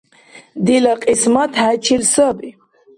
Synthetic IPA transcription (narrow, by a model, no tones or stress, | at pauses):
d̪ilaqʼismat̪ʰhæt͡ʃʰilsəbi